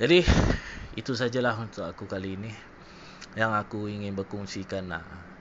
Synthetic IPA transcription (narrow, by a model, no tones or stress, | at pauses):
d͡ʒadi | it̪us̬ad͡ʒalaɦunt̪ʊk̚akukaliːni | jaŋakuiŋɪnbərkuŋsikana̰